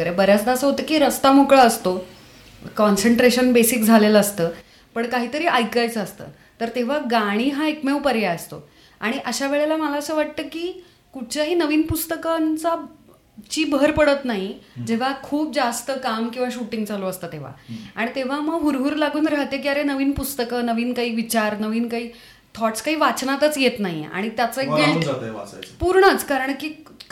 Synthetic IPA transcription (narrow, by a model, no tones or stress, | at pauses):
əɾebəɾjat͡sd̪aəsəɦot̪əːkiːɾəst̪amokɭəːst̪o | kɔnsəɳʈɾeɕənbesikd͡zʱaleləəst̪əː | pəɳkaɦiːt̪əɾiːʔajkajt͡səst̪ə̰ː | t̪əɾt̪eʋ̤aɡaɽ̃iːɦãekmewpəɾjaəst̪o̰ | aɽ̃iʔəɕaʋeɭelaməlaəsəːʋaʈ̚t̪əːkiː | kuɽ̚t͡ɕaɦiːnəʋiːnpust̪əkənt͡sa | t͡ɕiːbəɾpəɽət̪naɦid͡ʑeʋ̤akʰuːp̚d͡zast̪əkamkĩw̃ʋaɕuʈiŋɡt͡saloəst̪əːt̪eʋ̤a̰aɽ̃it̪eʋ̤aməɡɦuɾɦuːɾlaɡuːnɾəɦət̪jekiaɾenəʋiːnpust̪əkənəʋiːnkaɦiːʋit͡ɕaɾnəʋiːnkaɦiː | t̪ʰɔʈskaɦiːʋat͡snat̪ət͡sjet̪naɦḭa̰ɽ̃it̪jat͡səeked͡zt̪əa̰sapuɾɳət͡skaɾəɳkiː